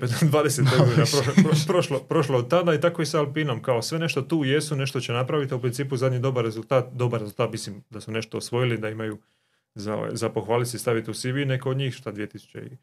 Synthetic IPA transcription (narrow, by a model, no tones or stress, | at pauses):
ped̪ʋaːd̪eset̪eɡodinapɾoʃɾpɾoʃlopɾo̞ʃloːd̪̚t̪ad̪ait̪akoisaalpiːno̞mkaosʋe̞ne̞ʃt̪o̞t̪uːje̞sune̞ʃt̪o̞t͡ɕenapɾaʋit̪iupɾint̪iːpuzad̪ɲid̪o̞baɾːe̞zulˠt̪aːt̪̚d̪o̞baɾezult̪aːt̪mislimd̪asune̞ʃt̪o̞ːsʋo̞jilid̪aimaju | zao̰a̰jzapo̞xʋaːlit̪sest̪aʋit̪eusiʋine̞koːd̪ɲiːxʃt̪ad̪ʋije̞t̪isu̥t͡ɕḛḭ